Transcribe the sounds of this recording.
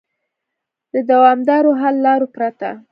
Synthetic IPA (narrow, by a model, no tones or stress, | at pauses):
d̪əd̪awɑmd̪ɑɾoɦalːɑɾopɾat̪a̰